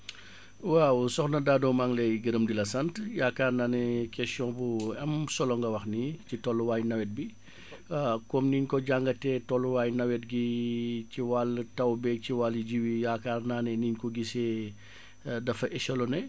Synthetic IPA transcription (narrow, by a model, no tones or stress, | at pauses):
wausɔxnɐdaːdɔmaŋlɛɡəɾəmdilɐsɐntjaːkaːrnaːnɛkɛsɔ̃buɐmsɔlɔŋɡɐwɐxnicitɔlːuwaːjnɐwɛt̚bi | kɔmniɲkɔɟaŋɡɐtɛtɔlːuwaːjnɐwɛt̚ɡiciwaltɐwbɛciwaliɟiwijaːkaːrnaːnɛniɲkɔɡisɛ | dɐfɐʔɛʃɔlɔnɛ